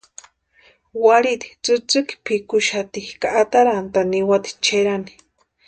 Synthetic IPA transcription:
waɾit̪i̥t͡sɨt͡sɨki̥pʰikuʃat̪ikaʔːt̪aɾant̪aniwat̪i̥t͡ʃeɾani̥

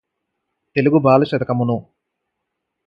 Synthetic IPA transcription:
t̪e̞luɡubaːlɐʃɐd̪ɐkɐmunu

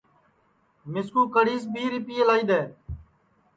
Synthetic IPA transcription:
mɪskuːkəɽiːs̬bʱiːɾɪpiːəlaːiːɗ̪eː

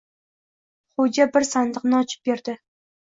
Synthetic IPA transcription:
χod͡ʒʲabɪɾsand̪ɨqnɨɒt͡ʃʰɪ̥p̚beɾd̪ɪ

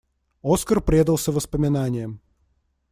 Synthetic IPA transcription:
oskərpɾʲed̪əlˠsʲəvəspəmʲɪnanʲɪjə

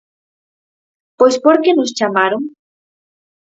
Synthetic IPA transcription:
pwespoɾkenost͡ʃamaɾoŋ

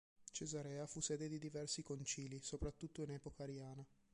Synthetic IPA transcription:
t͡ʃezaɾɛːafusɛːd̪ed̪id̪ivɛrsikont͡ʃiːlisopɾat̪ːut̪ːoinɛːpokaːɾjaːna

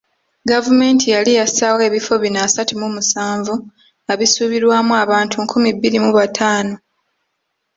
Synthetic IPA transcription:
ɡavume̞ːntʰijalijasawe̞ːβifo̞βinasatumumusaːɱvu | aβisuβiɾwaːmuaβaːntʰuŋkʰumibːiɾimuβatʰaːno

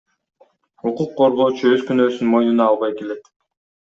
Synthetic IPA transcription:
uquqːo̞ɾʁo̞ːt͡ʃuøzkynøːsynmo̞jnunɑːlˠβɑjke̞let̪

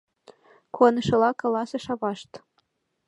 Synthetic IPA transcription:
konɤ̆ʃɤ̆lɑkɑlɑsɤ̆ʃɑβɑʃt̪

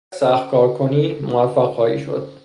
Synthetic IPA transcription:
sæxt̪̚kʰɒːɾkʰoniːmovæfːæqhɒːḭːʃo̰d̪̥̚

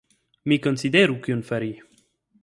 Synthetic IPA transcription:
mikɔnsid̪eɾukynfaɾi

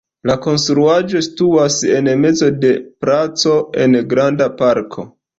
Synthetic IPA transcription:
lako̞nstɾuad͡ʒo̞stuase̞nme̞d͡zo̞de̞pɾat͡so̞e̞̰nɡɾandapaɾkʰo̞̰

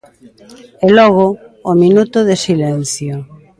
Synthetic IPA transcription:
ɛlɔɣ̞ʊːminut̪ʊðesilɛn̟θjo

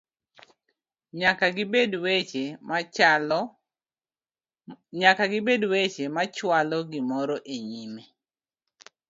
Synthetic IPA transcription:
ɲakabedweem | ɲakaɡɪbedwet͡ʃemat͡ʃwalɔɡɪmɔɾɔʔeɲime

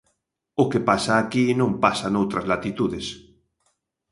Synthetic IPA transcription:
ʊkepasaːkinõmpasanowt̪ɾɐzlat̪it̪uðɪs

